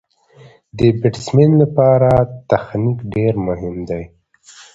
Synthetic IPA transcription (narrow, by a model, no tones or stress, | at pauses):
d̪əbɪʈsmɪnlapɑɾat̪axnikɖeɾmʊɦɪmd̪aj